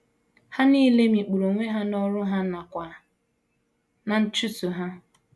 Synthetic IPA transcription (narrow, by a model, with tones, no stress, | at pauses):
ha˦niː˦le˦mi˨k͡pu˨ɾo˨ŋʷe˦ɦa˦nɔ˦ɾʊ˦ɦa˦na˨kʷa˨ | na˨n̩˦t͡ʃu˦tu˨ɦa˦